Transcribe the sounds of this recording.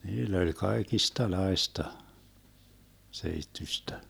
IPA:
niːlː olʲ kɑekistɑlɑestɑ seitːysʲtæ

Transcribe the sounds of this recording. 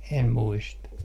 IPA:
em muistɑ

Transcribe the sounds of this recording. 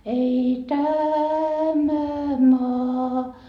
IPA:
ei tæmæ mɑː

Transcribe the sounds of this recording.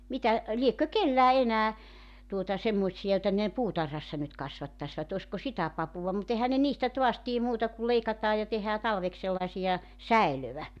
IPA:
mitæ liekːø kelːæː enæː tuotɑ semːoĭtsiɑ joĭtɑ ne puːtɑrhɑsːɑ nyt kɑsʋɑtːɑsʋɑt osʲko sitæ pɑpuʋɑ mut ehæn ne niːstæ toɑs tie muːtɑ kul leikɑtɑː jɑ tehæː tɑlʋeks selːɑĕsijɑ sæiløʋæ

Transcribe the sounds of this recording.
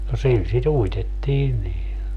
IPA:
no sil sit uitetːiːn niː

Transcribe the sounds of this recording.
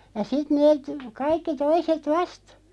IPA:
jɑ sit neːt kɑikːi toiset ʋɑst

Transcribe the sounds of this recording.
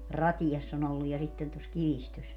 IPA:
rɑtijɑsː on olːuj jɑ sitːen tos kiʋistøs

